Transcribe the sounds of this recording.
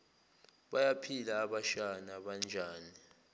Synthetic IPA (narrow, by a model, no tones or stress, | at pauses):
ɓajapʰilaːɓaʃanaɓand͡ʒʱaːni